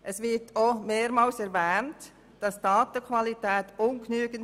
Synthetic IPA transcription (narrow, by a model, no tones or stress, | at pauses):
ʔɛsʋɪtʰomeːɾmɑːlsɛɾvɛːnt | d̥ɑsd̥ɑːtəkʰvɑlitɛːtʊnknyːɡ̥ən